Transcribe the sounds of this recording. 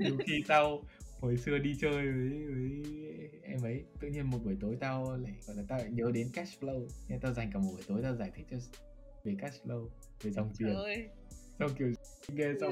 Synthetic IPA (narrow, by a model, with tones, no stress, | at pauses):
ɲɨ˨˧xi˧t̪a˧who˨˩jsɨ˧əɗi˧t͡ɕəː˧jvəː˨˦jvəː˨˦jʔɛ˧mʔə˨˦jt̪ɨ̰˧˨ɲi˧ənmo˨˩t̚ɓu˨˩əjt̪o˨˦jt̪a˧wla̰ː˧˩jɣɔ̰˧˨jlaː˨˩t̪a̰ː˧˩ɲəː˨˦ɗe˨˦nkɛ˦˥tflə˧wɲɛ˧t̪aː˧wza˨˩jŋ̟kaː˨˩mo˨˩ɓu˧˩jt̪o˨˦jt̪aː˧wzaː˧˩jt̪ʰi˦˥k̚t͡ɕɔ˧ | ve˨˩kɛ˦˥t̚flə˧w | ve˨˩za˨˩wŋ͡mt͡ɕi˧˨˩ə | sa˧wki˨˩ə˧ | ŋe˧za˧˦